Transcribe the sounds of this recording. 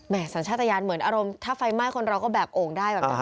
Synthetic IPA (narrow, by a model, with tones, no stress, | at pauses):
mɛ˥˩sa˩˦nʰt͡ɕʰaː˥˩t̪ʰːa˧jaː˧nmɯ˩˦ənʔaː˧ɾo˧mt̪ʰaː˥˩fa˧jma˥˩jkʰo˧nɾa˧wkɔː˥˩bɛː˨˩p̚ʔoː˧ŋdaː˥˩jbɛ˨˩˧